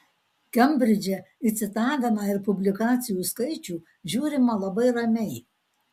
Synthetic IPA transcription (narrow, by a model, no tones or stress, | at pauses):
kʲɛmʲbʲɾʲɪd͡ʒʲɛ | ɪsʲɪt̪ɑːɡ̪ɐmɑɪɾpʊbʲlʲɪkɑːt̪sʲɪjuːˑskɐɪt͡ʃʲuː | ʒʲuːɾʲɪmɐlˠɐbɐɪɾɐmʲɛɪ